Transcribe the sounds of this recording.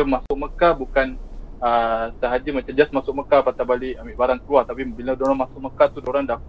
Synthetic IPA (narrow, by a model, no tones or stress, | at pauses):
əmasʊʔ̚məkabukanəsəɦad͡ʒimat͡ʃamd͡ʒasmasʊʔ̚məkapat̪abaliʔamiʔbaɾaŋkəluat̪apibilədoɾanmasʊʔ̚məkat̪udoɾaŋdak